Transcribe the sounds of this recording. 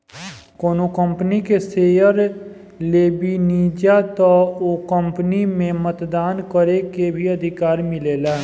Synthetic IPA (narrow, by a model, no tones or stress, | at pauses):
koːnokə̃mpnikeseːjəɾ | leːbiniːd͡ʒat̪ɔokə̃mpnimẽmət̪d̪aːnkəɾekebʱiəd̪ʱɪkaːɾmɪleːla